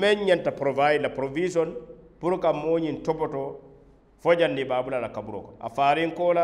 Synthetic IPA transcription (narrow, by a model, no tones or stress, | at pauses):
mɛɲɲɛntapɾɔvajdlapɾovisɔnpuɾkamːoːɲintɔpɔtɔ | fɔd͡ʒandibaːbulalakabuɾɔ̰kɔna̰faɾiŋkɔːla